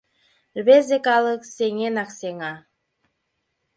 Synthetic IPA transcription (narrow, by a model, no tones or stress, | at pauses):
ɾβezekalˠəkseŋenakseŋɑ